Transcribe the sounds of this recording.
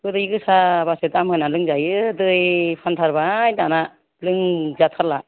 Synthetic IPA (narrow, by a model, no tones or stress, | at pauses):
kɯdɯiɡɯsabasetamɯnalɯŋzajɯdɯjpʰantʰaɾbajdana | lɯŋzatʰala